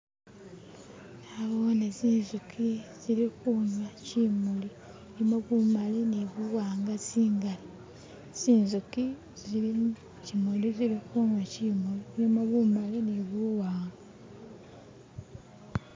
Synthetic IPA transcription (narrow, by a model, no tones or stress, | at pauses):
naβoːneziːnzukʰiz̥ilixuɲwacimuli | nimoβumaliniβuwaːŋɡasiːŋɡali | siːnzuki | zii | cimulizilixuɲwacimulinimoβumaliniβuwaːŋɡa